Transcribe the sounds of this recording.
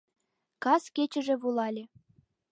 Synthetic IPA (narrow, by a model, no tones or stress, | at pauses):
kɑsket͡ɕɘ̆ʒĕβulˠɑlʲĕ